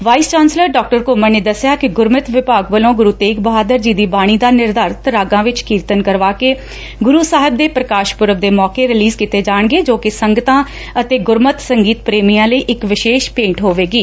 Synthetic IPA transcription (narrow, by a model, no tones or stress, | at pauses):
ʋaːiːst͡ʃaːnsləɾɖɔːk̚ʈəɾkoːməɾneːd̪əsːɪjaːkɪɡʊɾmət̪ʋɪpaːɡbəlõːɡʊɾuːt̪eːkbəɦaːd̪əɾd͡ʒiːd̪iːbaːɽ̃iːd̪aːnɪɾd̪aːɾt̪əɾaːɡãːʋɪt͡ʃkiːɾt̪ənkəɾʋaːkeː | ɡʊɾuːsaːɦɪb̚d̪eːpɾəkaːʃpʊɾəʋd̪eːmɔːkeːɾɪliːzkit̪eːd͡ʒaːɳ̃ɡeːd͡ʒoːkɪsəŋɡət̪ãː | ət̪eːɡʊɾmət̪səŋɡiːt̪̚pɾeːmijãːləiːʔɪkʋɪʃeːʃpẽːɳʈɦoːʋeːɡiː